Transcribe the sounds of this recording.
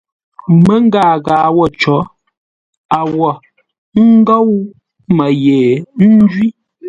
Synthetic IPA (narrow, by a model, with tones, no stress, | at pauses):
mə˦ŋ˦ɡaː˦˨ɣaː˨wɔ˦˨t͡ʃɔ˨˦ | a˨wɔ˨ | ŋ˦ɡɔ˦w | ma˨je˨n̩˦d͡ʒwi˦